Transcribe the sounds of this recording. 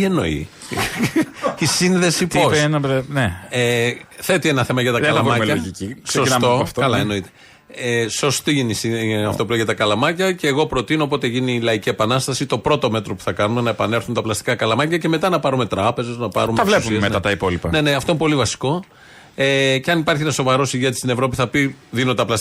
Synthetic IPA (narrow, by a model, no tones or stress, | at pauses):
ie̞no̞̰ḭ | isinðe̞sit̪opsenɐɾeneeθe̞t̪ie̞nɐθe̞mɐʝɐt̪ɐðɐlɐmɐmelɐoʝiciseonsɐmo̞ɐft̪oɐlɐeno̞it̪e̥ | eso̞st̪iʝinisiɐft̪o̞pulejt̪t̪ɐkɐlɐmɐcɐce̞ːɣo̞pɾo̞t̪inoːpo̞t̪eʝinilɐicie̞pɐnɐst̪ɐsit̪o̞pɾo̞t̪o̞me̞t̪ɾo̞pu̥θɐkɐnume̞nɐe̞pɐne̞ɾθunt̪ɐplɐst̪i̥kɐkɐlɐmɐcɐce̞me̞t̪ɐnɐpɐɾume̞t̪ɾɐpe̞ze̞znɐpɐ̰ɾumeɐvlesuiemeɐt̪ɐipo̞lipɐne̞neɐft̪o̞inepo̞livɐsi̥ko̞ | eceɐnipɐɾçienɐso̞vɐɾo̞siʝet̪i̥st̪ine̞vɾo̞piθɐpiðinot̪ɐplɐs